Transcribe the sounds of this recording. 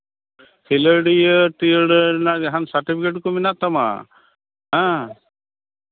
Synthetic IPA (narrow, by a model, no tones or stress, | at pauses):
kʰiləɖijəʈiəɽənad͡ʒaɦansaɾʈipʰikeʈkɔminaʔt̪ama̰ | ɦã